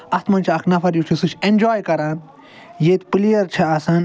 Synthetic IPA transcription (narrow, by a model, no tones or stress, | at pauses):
ɐst̪mɐnt͡ʃʰiɐkʰnɐfɐɾjut͡ʃʰisɨt͡ʃʰenʲd͡ʒoːjkɐɾãːn | jeːt̪plijɐɾt͡ʃʰɐɐsɐn